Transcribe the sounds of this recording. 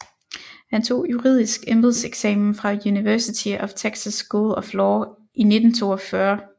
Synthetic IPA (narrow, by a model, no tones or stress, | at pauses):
hænt͡sʰo̝̰ːjuʁḭð̰ˠisɡ̥emb̥lð̩ˠseɡ̥sɛ̰mn̩fʁɑ̈juniʋæɐsit͡sʰiɒ̽ft͡sʰeɡ̥sæsɡ̥olɒflɒː | ʔine̝d̥n̩t͡sʰo̝̰ːɒfɶɐ